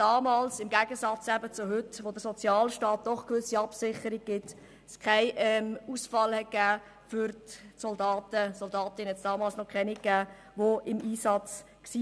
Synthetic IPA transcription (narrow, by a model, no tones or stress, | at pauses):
d̥ɑːmɑːlsɪmɡæɡ̥əsɑt͡sæbət͡sʊɦʏtʋod̪əɾsɔt͡sjɑːlʃtɑːt̚d̪̥ɔχkʋʏsiɑpsɪχəɾiɡ̚ɡ̥ɪt̪ | skʰaɪʔɛmusfɑlhɛt̚ɡ̥æː | fʏɾtsɔldɑːtəsɔldɑːt̪ɪnəhɛtsd̥ɑːmɑːlsnɔkʰɛnikːæː | ʋoɪmiːsɑt͡s | ksiː